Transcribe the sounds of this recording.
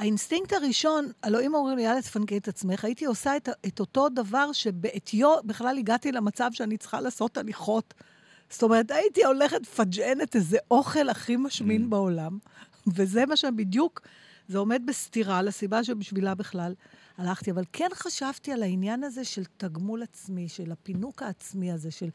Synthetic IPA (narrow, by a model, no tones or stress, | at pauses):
ainstiŋk̚taʁiʃo̞naloimomʁimljaletfankietat͡sme̞χaitio̞saeteto̞to̞davaʁʃe̞beʔet̪ʰjo̞biχlaliɡatilemat͡savʃeanit͡sχa̰laːso̞taliχo̞t | sto̞meetaitio̞le̞χetfad͡ʒenetezeʔoχe̞laχimaʃminbeo̞lam | vezemaʃbidjuk | zeo̞me̞d̪̚bestiʁalesibaʃ̬ebiʃvilabiχlal | alaχtiavalkʰe̞nχaʃavtialainjanaze̞ʃe̞ltaɡmulat͡smiʃe̞lapinukaːt͡smiaze̞ʃe̞l